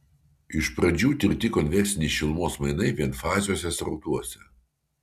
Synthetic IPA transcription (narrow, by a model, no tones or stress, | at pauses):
ɪʃpɾɐd͡ʒʲuːt̪ʲɪɾʲt̪ʲɪkɔnʲʋʲɛɾʲsʲɪnʲɛɪʃʲɪlˠmoːsmɐɪnɐɪʋʲiɛnfɑːzʲɪjoːsʲɛsʲɾɔʊt̪uɔsʲɛ